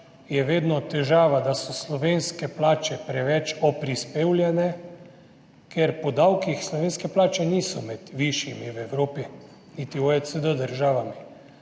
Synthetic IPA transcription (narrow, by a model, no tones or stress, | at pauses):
jɛʋeːd̪nɔt̪ɛʒaːʋad̪asɔslɔʋeːnskɛplaːt͡ʃɛpɾɛʋɛt͡ʃɔpɾispeːwljɛnɛ | kʰeɾpɔd̪awkixslɔʋeːnskɛplaːt͡ʃɛniːsɔmɛd̪̥ʋiʃjimiwɛwɾoːpi | nit̪ioɛsəd̪əd̪əɾʒaːʋami